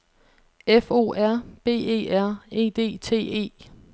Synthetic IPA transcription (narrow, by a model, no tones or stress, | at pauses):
efo̝̰ːæɐ̰b̥e̝̰ːe̝̰ːæɐ̰e̝̰ːd̥e̝̰ːt͡sʰe̝̰ːe̝̰ː